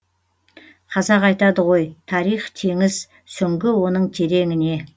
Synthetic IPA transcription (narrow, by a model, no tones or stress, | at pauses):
qʰɑzɑʁɑjt̪ɑd̪əʁo̞jt̪ʰɑɾijχt̪ʰe̞ŋɪz | sʏŋɡʲɪwo̞nəɴt̪ʲʰe̞ɾe̞ŋɪne̞